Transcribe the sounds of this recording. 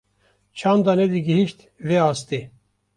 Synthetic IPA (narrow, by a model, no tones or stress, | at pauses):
t͡ʃʰɑːnd̪ɑnɛd̪iɡiɦiʃt̪ | veɑːst̪i